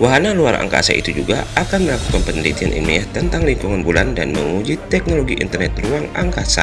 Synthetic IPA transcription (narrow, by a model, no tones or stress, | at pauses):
waɦanaluaɾa̰ŋka̰sa̰ʔḭt̪ud͡ʒuɡaakanməlaku̥kanpəndit̪ianʔḭnmḭat̪ənt̪aŋliŋkuŋanbulandanməŋud͡ʒit̪ɛk̚noloɡiʔḭnt̪ərnɛt̪ruaŋaŋkasa̰